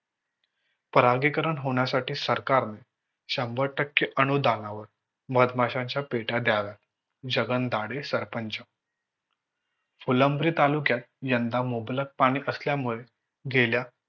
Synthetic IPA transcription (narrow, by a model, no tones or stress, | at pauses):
pəɾaɡikəɾəɳɦoɳ̃jasaʈiːsəɾkaɾne | ɕəmbəɾʈəkːjəʔənud̪anaʋəɾ | məd̪maɕãɲt͡ɕjapeʈad̪jaʋjat̪ | d͡ʑəɡənd̪aɽesəɾpəɲt͡ɕə | fuləmbɾiːt̪alukjat̪̚jənd̪amoblək̚paɽ̃iːʔəsljamuɭe | ɡelja